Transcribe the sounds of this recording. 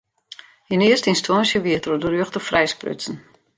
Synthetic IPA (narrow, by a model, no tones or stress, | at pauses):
inɪəstinstwɔnsjəʋiətərodərøəxtəfrɛjsprø̰sn̩